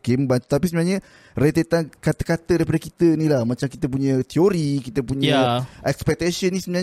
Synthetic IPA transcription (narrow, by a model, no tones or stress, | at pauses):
kembant̪u̥t̪apisəmənaɲə | ret̪et̪ankat̪əkat̪ədaɾipadakit̪ənilahmãt͡ʃamkit̪əp̬uɲãt̪ioɾikit̪əpuɲaʔɛkspɛk̚t̪asənisəbəna